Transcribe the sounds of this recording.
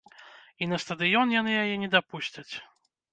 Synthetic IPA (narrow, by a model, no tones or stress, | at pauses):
inɐst̪ɐd̪ɨjɔnjanɨjajɛnʲɛd̪apusʲt͡sʲɐt͡sʲ